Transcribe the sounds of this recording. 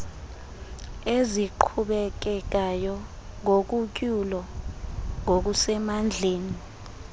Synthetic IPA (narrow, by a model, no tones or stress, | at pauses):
eziǃʰuɓɛk̬ɛk̬ajɔ | ŋok̬uk̬ʼulɔ | ŋok̬usɛmand͡ɮʱeːni